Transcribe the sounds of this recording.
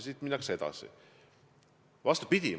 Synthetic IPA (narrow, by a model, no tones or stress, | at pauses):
sit̪minːɑkse̞d̪̥ɑ̰sḭ | vɑst̪u̥pid̪̥ʲi